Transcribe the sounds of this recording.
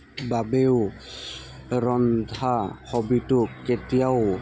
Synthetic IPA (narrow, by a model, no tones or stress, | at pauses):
babew | ɹɔndʱahɔbitʊkːetijaw